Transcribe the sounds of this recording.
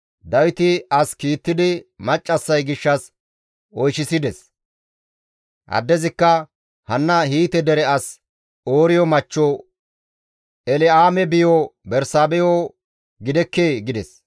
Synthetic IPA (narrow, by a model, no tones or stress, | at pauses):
d̪ɐwɪt̪ɪɐskiːt̪ːɪd̪ɪmɐt͡ʃʼːɐsːɐjɡɪʃːɐs | ɔjʃɪsɪd̪ɛs | ʔɐ̰d̪ːɛzɪkːɐ | hɐnːɐɦiːt̪ɛd̪ɛɾɛɐs | oːɾɪjɔmɐt͡ʃːo | ɛlɪaːmɛbɪjobɛɾsaːbɛjo | ɡɪd̪ɛkːeːɡɪd̪ɛs